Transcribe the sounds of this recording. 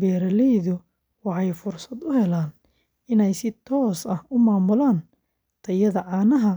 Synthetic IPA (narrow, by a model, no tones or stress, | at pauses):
bɛːɾɐlɛjðʊ | wɑħɑjfʊrsɐd̪ʊhɛlaːn | ɪnɛjsɪt̪ʰɔːsɐhʊmaːmʊlaːn | t̪ʰɐjɐðɐʕɑːnɐɦɐ